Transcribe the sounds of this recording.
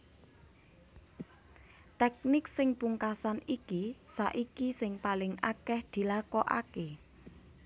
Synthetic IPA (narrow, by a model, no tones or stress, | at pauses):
t̪ɛk̚nɪksɪŋpuŋkasanikisaʔikisɪŋpalɪŋakɛhd̪̥i̤lakɔʔa̰ke